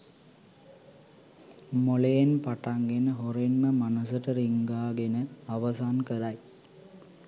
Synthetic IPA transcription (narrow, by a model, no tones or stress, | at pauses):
molejenpɐʈaŋɡenəɦoɾenməmɐnɐsəʈəɾiŋɡaːɡenəɐʋɐsaːnkəɾaj